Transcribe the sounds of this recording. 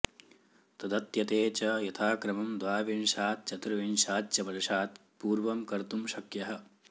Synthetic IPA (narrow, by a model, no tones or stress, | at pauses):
t̪ɐd̪ɐt̪jɐt̪eːt͡ʃɐjɐt̪ʰaːkɾɐmɐmd̪ʋaːʋinʃaːt̪̚t͡ʃɐt̪ɾɐʋinʃaːt̪̚t͡ʃɐpɐɾiʃaːt̪ | puːɾʋɐmkɐɾt̪umʃɐkjɐɦɐ̆